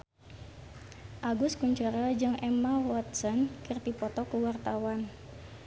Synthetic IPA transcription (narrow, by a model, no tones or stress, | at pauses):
ʔaɡʊskuɲt͡ʃɔɾad͡ʒɨŋʔɛmawɔt̪̚sɔnkirt̪ipɔt̪ɔkuwart̪awan